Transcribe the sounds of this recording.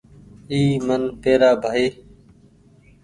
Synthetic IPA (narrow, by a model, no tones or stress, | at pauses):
iːmənpeːɾaːbʱaːiː